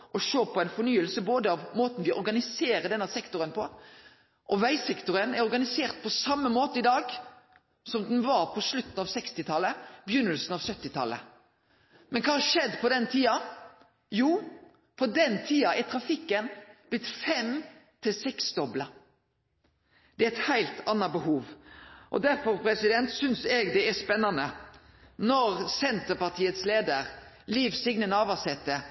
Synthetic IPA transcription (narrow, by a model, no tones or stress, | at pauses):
ʔɔʃoːpʰɔɛɪnfɔnyːəlsəboːd̪əɑʋmoːt̪n̩ʋɪʔɔ̰ɾɡɑnɪseːɾəd̪ɛnɑsɛkt̪ʊɾənpʰɔ | ʔɔʋæɪsɛkt̪ʊɾənæɾɔɾɡɑnɪseːʁt̪̚pʰɔsɑmːəmoːt̪əɪd̪ɑːɡ | sɔmd̪ɛnʋɑːʁpʰɔslʉt̪ːn̩ɑːʋsɛkst̪ɪt̪ʰɑlːəbəjʏnːəlsn̩ɑʋsœt̪ːɪt̪ʰɑ̰lːə̰ | mɛnkʰɑːʂɛd̪ːpʰɔd̪ɛnt̪ʰiːɑ | juː | pʰɔd̪ɛnt̪ʰiːɑʔɛt̪ʰɾɑfɪkːənb̥lɪt̪fɛmt̪ʰɪlsɛksd̪ɔblə | d̪̥ɛæɛt̪hæɪlt̪ʰɑnːɑbəhuːʋʔɔ̰d̪æɾfɔɾpʰɾɛsɪd̪ɛnt̪sʏnsɛːɡd̪ɛæspɛnːɑnə | nɔɾsɛnt̪əɾpɑʁt̪ʰiːət̪sleːd̪əʁ | liːʋsɪɡnənəɑːʋɑsɛt̪ːə